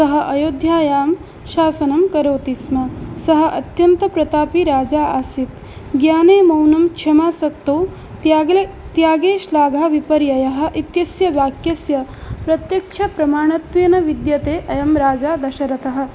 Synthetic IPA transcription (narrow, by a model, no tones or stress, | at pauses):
sɐɦɐ̆ʔɐjoːd̪ʱjaːjaːm | ʃaːsɐnɐmkɐɾoːt̪ismɐsɐɦɐ̆ʔɐt̪jɐnt̪ɐpɾɐt̪aːpiɾaːd͡ʒaːaːsit̪ | ɡjaːneːmɐwnɐmkt͡ʃʰɐmaːsɐkt̪oː | t̪jaːɡeːʃlaːɡʱaːʋipɐɾjɐjɐɦɐ̆ʔit̪jɐsjɐʋjaːkjɐsjɐpɾɐt̪jɐkʂʰɐpɾɐmaːɳɐt̪ʋijɐnɐʋid̪jɐt̪eːʔɐjɐmɾaːd͡ʒaːd̪ɐʃɐɾɐt̪ɐɦɐ̆